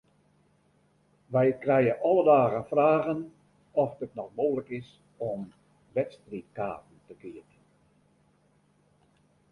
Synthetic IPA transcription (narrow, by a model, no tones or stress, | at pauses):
ʋɛjkrɛjəʔɔlədaːɣənfraːɣən | ɔfdətnɔxmoːləkɪs | ɔm | ʋɛtstritkaːtn̩təkiət